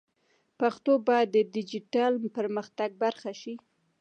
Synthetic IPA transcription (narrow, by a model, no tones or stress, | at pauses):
paxt̪obɑjad̪ːədɪd͡ʒiʈalpəɾməxt̪aɡ̚baɾxaʃi